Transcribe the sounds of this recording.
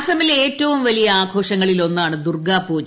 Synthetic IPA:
sɐmileːtːɐʋumʋɐlijɐaːɡʰʱo̞ːʂɐŋːɐɭilo̞nːaːɳɨd̪urɡaːpːoːt͡ɕː

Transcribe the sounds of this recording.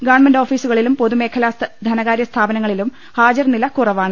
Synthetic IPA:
ɡaːɳmɐndɖo̞ːfiːsuɣɐɭilumpo̞ðume̞ːkʰɐlaːst̪d̪ʱɐnɐɣaːɾjɐst̪ʰaːbɐnɐŋːɐɭilum | haːd͡ʑɐrnilɐkurɐʋaːɳɨ

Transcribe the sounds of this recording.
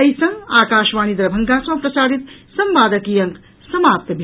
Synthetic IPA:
ɐjsɐ̃ŋaːkaːʃʋaːnid̪ɾɐbʱɐŋɡasɐ̃pɾɐsaːɾit̪sɐmʋaːd̪ɐkijɐŋk | sɐmaːp̚t̪ɐbʱi

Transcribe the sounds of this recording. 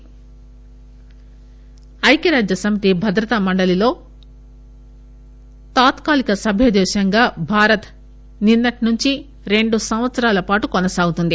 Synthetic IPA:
ɐjkɐɾaːd͡ʒjɐsɐmit̪ibʱɐd̪ɾɐt̪ɐmɐɳɖɐlilo̞ː | t̪aːt̪kaːlikɐsɐbʱjɐd̪ɛːʃɐŋɡaːbʱaːɾɐt̪ | ninːɐʈnuɲt͡ʃi | ɾe̞ɳɖusɐmʋɐt̪sɐɾaːlɐpaːʈukonɐsaːɡut̪und̪i

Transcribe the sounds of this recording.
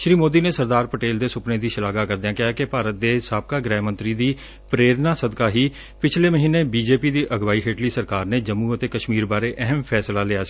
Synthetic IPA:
ʃɾiːmoːd̪iːneːsəɾd̪aːɾpəʈeːld̪eːsʊpneːd̪iːʃɪlaːɡaːkəɾd̪ejãːkɪaːkepaːɾət̪̚d̪eːsaːb̚kaːɡɾɛːmə̃nt̪ɾiːd̪iː | pɾeːɾnaːsəd̪kaːɦiː | pɪt͡ʃʰleːməɦiːneːbiːd͡ʒeːpiːd̪iːʔəɡʋaːiːɦeːʈliːsəɾkaːɾneːd͡ʒəmːũːət̪eːkəʃmiːɾbaːɾeːʔɛɦəmpʰɛːslaːlɪaːs

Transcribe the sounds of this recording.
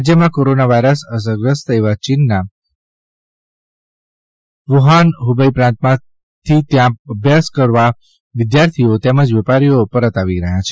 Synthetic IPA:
ad͡ʒjəmãkoɾonaʋaiɾəsəs̬əɾɡɾəst̪əeʋat͡ʃinːa | ʋuɦanɦubəipɾãnt̪mã | t̪ʰit̪jãəbʱjaskəɾʋa | ʋɪd̪jaɾt̪ʰiot̪ɛməd͡ʒʋɛpaɾijopəɾət̪aʋiɾəɦjat͡ʃʰe

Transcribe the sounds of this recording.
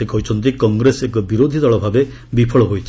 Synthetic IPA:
ekɔɦujt͡ʃʰɔnt̪ikɔŋɡɾesekɔbiɾod̪ʱid̪ɔɭɔbʱabe | bipʰɔɭɔɦojt͡ʃʰi

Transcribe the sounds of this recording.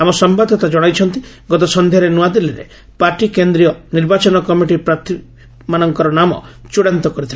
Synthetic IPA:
amɔsɔmbad̪ʱɔt̪ad͡ʒɔɽ̃ajt͡ʃʰɔnt̪i | ɡɔt̪̬ɔsɔnd̪ʱjaɾenuad̪iliɾḛ | paɾʈikend̪ɾiɔniɾbat͡ʃɔnɔkɔmiʈipɾat̪ʰi | manɔŋkɔɾɔnamɔ̰t͡ʃuɽant̪ɔkɔɾit̪ʰil

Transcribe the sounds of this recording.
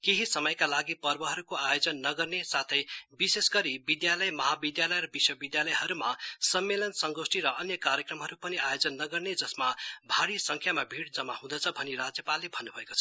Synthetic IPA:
keɦisʌmʌjkalaɡipʌrbʌɦʌɾukoajod͡zʌnːʌɡʌrnesat̪ʰʌjbisesɡʌɾibid̪jalʌjmʌɦabid̪jalʌjrʌbiswʌbid̪jalʌjɦʌɾumasʌmːelʌnsʌŋɡosʈiɾʌʔʌnjʌkaɾjʌkrʌmɦʌɾupʌniajod͡zʌnːʌɡʌrned͡zʌsmabʱaɽisʌŋkʰjamabʱiɽd͡zʌmaɦũd̪ʌt͡sʰʌbʱʌniɾad͡zjʌpalːebʱʌnːubʱʌekot͡sʰʌ

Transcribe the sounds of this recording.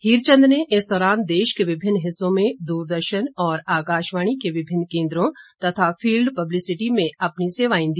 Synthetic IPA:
hiːɾt͡ʃə̃nd̪neʔɪsd̪ɔːɾaːnd̪eːʃkeʋɪbʱɪnːɦɪsːõmẽd̪uːɾd̪əɾʃənɔːɾaːkaːʃʋaːɽ̃ikeʋɪbʱɪnːkẽːnd̪ɾõt̪ɐt̪ʰafʰiːlɖpɐblɪsɪʈimẽɐpniseːʋaːɪ̃nd̪i

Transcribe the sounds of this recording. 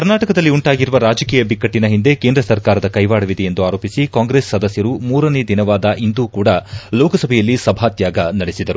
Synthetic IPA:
kɐɾnaːʈɐkɐd̪ɐlːiuɳʈaːɡiɾuʋɐɾaːd͡ʒɐkiːjɐbikːɐʈːinɐɦind̪e̞ke̞ːnd̪ɾɐsɐɾkaːɾɐd̪ɐkɐjʋaːɽɐʋid̪e̞end̪uaːɾo̞ːpisikaːŋɡɾe̞ːsːɐd̪ɐsjɐɾumuːɾɐne̞d̪inɐʋaːd̪ɐʔind̪uːkuːɽɐloːkɐsɐbʱɛjɐlːisɐbʱaːt̪jaːɡɐnɐɽesid̪ɐɾu

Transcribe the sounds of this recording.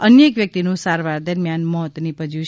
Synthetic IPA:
ənjəkʋjək̚t̪inũsaɾʋaɾd̪əɾmjanmɔt̪nipəd͡ʒiʃ

